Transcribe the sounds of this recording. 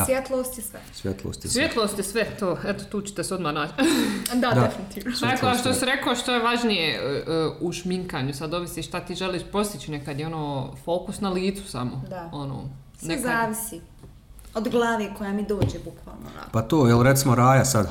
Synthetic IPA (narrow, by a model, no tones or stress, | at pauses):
asʋjet̪lˠoːst̪jesʋesʋjet̪lˠo̰ːst̪jesʋjet̪lˠost̪jesʋɛt̪oːet̪ot̪uːt͡ɕe̥ɛ̥t̪esod̪mahnaːt͡ʃd̪ad̪efinit̪iːʋnoseʃt̪osiɾekoʃt̪oeʋaʒnijeəuʃmiŋkaːɲusad̪o̞ʋisiːʃt̪at̪iːʒeliːʃpɾo̞st̪it͡ɕinekad̪jeo̞noːfo̞ːkusnaliːt̪su̥samod̪ao̞no̰ː | snezaːʋisi | od̪ɡlˠaːʋeːkojamid̪oːd͡ʒeːbukʋa̰ːlˠno̰pat̪oːjelɾet̪simoɾaːjasad̪